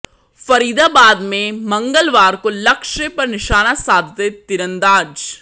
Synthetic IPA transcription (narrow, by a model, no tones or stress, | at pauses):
fəɾiːd̪aːbaːd̪mẽmə̃ŋɡəlʋaːɾkoːləkʃepɐɾnɪʃaːnaːsaːd̪t̪et̪ɪɾə̃nd̪aːd͡ʒ